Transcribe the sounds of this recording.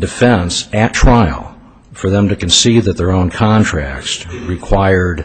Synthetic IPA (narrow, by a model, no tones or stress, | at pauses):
dɨfɛ̃nsɨtʰɹ̥aɪlˠ | fə˞ðə̃mtɨkɨ̃nsid̪ðɨt̪̚ðə˞õʊ̃nkʰɑ̃ntʰɹ̥æ̰k̚sɹikʰw̥aɪə˞d